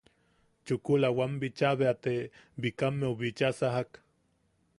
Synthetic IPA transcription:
t͡ʃukulawambit͡ʃaβeat̪ebikamːeuβit͡ʃasaɦak

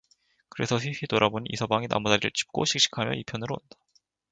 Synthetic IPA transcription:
kɯɾe̞sʰʌɸiɸitoɾaboniḭsʰʌbaŋina̰mudaɾiɾɯ̰ɭt͡ɕʰi̥p̚k͈o̰ɕʰik̚ɕ͈i̥kʰamjʌ̰ipʰjʌnɯɾo̰ːndḁ

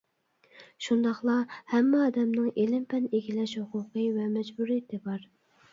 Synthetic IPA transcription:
ʃund̪ɑχlˠɑhɛmːɛɑːd̪ɛmnɪŋelɪmpʰɛneɡʲilɛʃhʊqʰʊqəvɛmɛd͡ʒbuɾijet̪ʰɪbɑɾ

